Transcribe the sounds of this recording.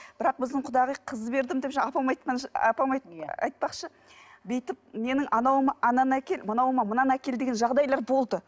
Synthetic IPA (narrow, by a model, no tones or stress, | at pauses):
b̥ɪɾɑq̚bɪzd̪ɪɴqʰʊd̪ɑʁəjqʰəzbe̞ɾd̪ɪmd̪epʒɑɑpɑmɑjt̪qɑnɑ̰pɑmɑjtɑ̰jt̪̚pɑqʃə | be̞jt̪ɪp̚me̞nɪŋʔɑnɑwəməʔɑnɑnækʲe̞lmənɑwəmɑmənɑnækʲe̞ld̪eɡʲenʒɑʁd̪ɑjlˠɑɾbo̞lˠd̪ə